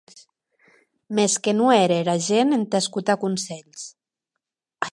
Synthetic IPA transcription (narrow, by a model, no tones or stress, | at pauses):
meskenueɾeɾaʒenent̪eskut̪akunsɛʎs